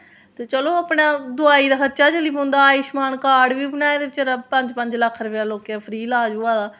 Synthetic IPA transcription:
t̪eːt͡ʃəloːəpɳaːd̪ʊaːiːd̪aːsətːt͡ʃaːt͡ʃəliːb̃nd̪aːɪʃmaːnkaːɽʋiːbənaːed̪eːɪt͡ʃəɾapəɲd͡ʒpəɲd͡ʒləkʰːɾəʋjaːloːkjaːpʰɾiːlaːd͡ʒuːaːd̪aː

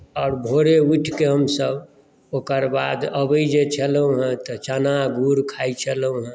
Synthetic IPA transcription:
ɔːɾbʱoɾeuʈʰkeɦəmsəb | oːkəɾbad̪əbəid͡ʒet͡ʃʰəlɦõɦɛ̃t̪ɔt͡ʃanaɡuɾkʰait͡ʃʰəlũɦɛ̃

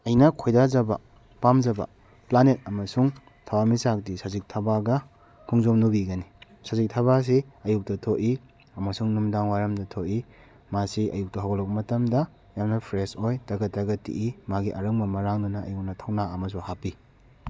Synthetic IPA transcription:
ɐjnɐkʰojdazɐbɐ̰ | pamzɐbɐ̰ | planet̚ɐmɐsuŋ | tʰawamisak̚disazik̚tʰabaɡɐ | kʰuŋzomnubiɡɐni | sazik̚tʰɐβas̬iɐjuk̚tɐtʰoʔi | ɐmɐsuŋnumdaŋwaɾɐmdɐtʰoʔi | masiɐ̰juk̚tɐɦawɡlɐk̚pɐmɐtɐmdɐ | jamnɐpʰɾesojtɐɡɐtːɐɡɐtḭʔimaɡiʔɐɾɐŋbɐmɐɾaŋdunɐɐjuk̚nɐtʰawnaɐmɐs̬uhapi

